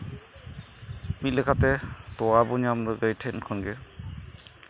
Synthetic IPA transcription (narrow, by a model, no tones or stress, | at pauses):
mit̪̚lɛkʰat̪ɛt̪ɔwabuɲamdɔɡəjtʰɛnkʰɔnɡɛ